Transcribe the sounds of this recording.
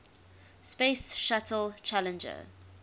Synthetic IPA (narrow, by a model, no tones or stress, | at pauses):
speɪsʃatʰəlt͡ʃʰalə̃nd͡ʒə̰